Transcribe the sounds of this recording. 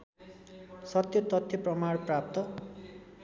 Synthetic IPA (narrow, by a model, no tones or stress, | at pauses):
sʌt̪jʌt̪ʌt̪ʰjʌprʌmaɽprap̚t̪ʌ